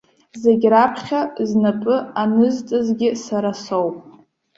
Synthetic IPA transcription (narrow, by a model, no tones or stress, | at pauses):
zeɡʲrapʰχʲaznapʼɨanɨztʼɨzɡʲɪsaɾasowpʼ